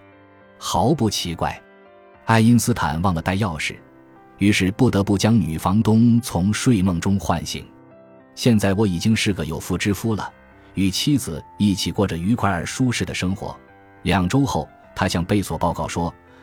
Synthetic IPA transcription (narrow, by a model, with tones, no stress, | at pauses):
xɑ˧˥ʊpu˥˩t͡ɕʰi˧˥kwa̰˥˩ɪ | a˥˩ɪi˥nsɹ̩˥t̪ʰa̰˨˩nwɑ˥˩ŋlə˩t̪a˥˧ɪjɑ˥˧ʊʂɻ̩˥˩ | y˧˥ʂɻ̩˥˧pu˥˩t̪ɤ˧˥pu˥˩t͡ɕjɑ˥ŋny˨˩fɑ˧˥ŋt̪ʊ˥ŋt͡sʰʊ˧˥ŋʂwe˥˧ɪmɤ˥˩ŋʈ͡ʂʊ˥ŋxwa̰˥˧nɕḭ˧˩˦ŋ | ɕjɛ˥˧nt͡sa˥˩ɪwɔ˧˥i˨˩t͡ɕi˥ŋʂɻ̩˥˩ɡə˩jo˨˩ʊfu˥˩ʈ͡ʂɻ̩˥fu˥lə̰˩ | y˨˩t͡ɕʰi˥d͡zɹ̩˨˩i˥˩t͡ɕʰi˨˩kwɔ˥˩ʈ͡ʂə˩y˧˥kʰwa˧˥ə˞˨˩ʂu˥ʂɻ̩˥˩d̪ə˩ʂɤ˥ŋxwɔ̰˧˥ | ljɑ˨˩ŋʈ͡ʂo˥ʊxo˥˩ʊ | t̪ʰa˥ɕjɑ˥˧ŋpe˥˩ɪswɔ˨˩pɑ˥˧ʊkɑ˥˩ʊʂwɔ˥